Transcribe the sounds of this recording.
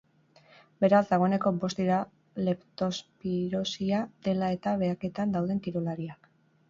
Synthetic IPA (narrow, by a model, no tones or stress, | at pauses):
be̞ɾazd̪aɣ̞o̞ene̞ko̞bo̞st̪iɾa | le̞pt̪o̞spiɾo̞siad̪e̞lae̞t̪aβe̞ake̞t̪and̪awðe̞nt̪iɾolaɾiak